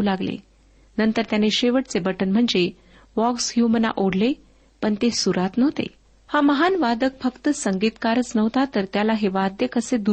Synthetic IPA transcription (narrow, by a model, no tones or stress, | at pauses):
laɡlḛ | nənt̪əɾt̪janeɕeʋəʈt͡sebəʈənm̤əɳd͡ze | ʋɔkshjuməna̰ʔoɽle | pəɳt̪esuɾat̪nəʋt̪ḛ | haməɦanʋad̪ək̚fəkt̪əsəŋɡiːt̪kaɾət͡snəʋt̪at̪əɾt̪jalaɦeʋad̪ʱjekəsed̪u